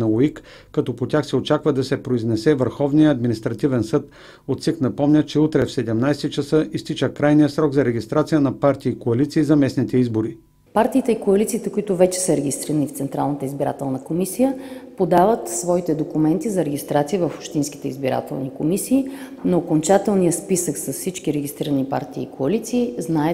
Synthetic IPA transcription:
nɐoik | kɐt̪ɔpot̪ʲjaxsɛot͡ʃakvəd̪ɐsɛpɾoiznɛsɛvəɾxɔvnijəːd̪minist̪ɾɐt̪ivɛnsɤt̪ | ot̪siknɐpɔmnʲət͡ʃɛut̪ɾɛfsɛd̪ɛmnajsɛt͡ʃɐsəʔist̪it͡ʃəkɾajnijəsɾɔɡzɐɾɛɡʲist̪ɾat̪sijənɐpaɾt̪ʲiːkoɐlit̪siːzɐmɛsnit̪ɛizboɾi | paɾt̪iːt̪ɛikoɐlit̪siːt̪ɛkoit̪ʊvɛt͡ʃɛ̥səɾɛɡʲist̪ɾiɾənift̪sɛnt̪ɾa̰lˠnət̪əizbiɾa̰t̪ɛlˠnəkomisijəpod̪avət̪svɔit̪ɛd̪okʊmɛnt̪izɐɾɛɡʲist̪ɾat̪sijəvəfopʃt̪insk̟it̪ɛizbiɾa̰t̪ɛ̰lˠnikomisiː | noːkont͡ʃat̪ɛlˠnijəspisəksɐsfsit͡ʃkʲiɾɛɡʲist̪ɾiɾənipa̰ɾt̪iːkoɐlit̪siːznaɛ

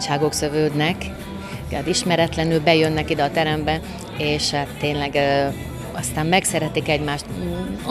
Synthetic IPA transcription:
ʃaːɡo̞ksøvøːd̪nɛkː | t̪iʃmɛɾɛt̪lɛnylbɛjønːɛkid̪ɛɒːt̪ɛɾɛmbɛ | eːʃhaːt̪ːeːnlɛɡ | ɒst̪aːmmɛksɛɾɛt̪ikɛɟmaːʃt̪

